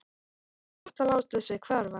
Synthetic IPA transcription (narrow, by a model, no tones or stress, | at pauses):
ɔht̪alawt̪ʏsvɪkʰvɛɾva